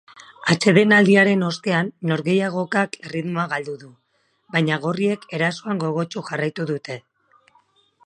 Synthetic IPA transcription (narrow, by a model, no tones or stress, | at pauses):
at͡ʃe̞ðe̞nald̪iaɾe̞no̞st̪e̞anːo̞ɾɣe̞jaɣ̞o̞kakeriðmo̞aɣald̪uðu | bajɲaɣ̞o̞rie̞ke̞ɾasoaŋɡo̞ɣ̞o̞t͡ʃuxarajt̪uðut̪e̞